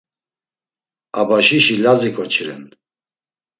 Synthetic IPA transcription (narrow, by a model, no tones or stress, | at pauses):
abaʃiʃilazikʼɔt͡ʃʰiɾɛ̰n